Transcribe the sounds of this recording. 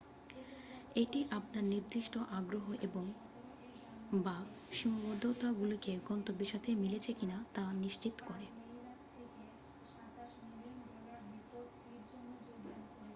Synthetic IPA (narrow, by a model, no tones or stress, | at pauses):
eʈiʔap̚naɾniɾd̪ɾiʃʈoʔaɡɾoɦoʔeboŋ | ba | ʃɔmbod̪ʱːot̪aɡulokeɡɔnt̪obeʃat̪ʰemilet͡ɕʰekinat̪aniʃt͡ɕit̪o̥koɾe